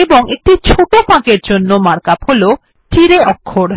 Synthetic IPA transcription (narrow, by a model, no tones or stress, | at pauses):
ebɔŋek̚ʈit͡ɕʰoʈopãkeɾd͡ʑonːomaɽkapholo | ʈʰiɾeɔkʰːoɾ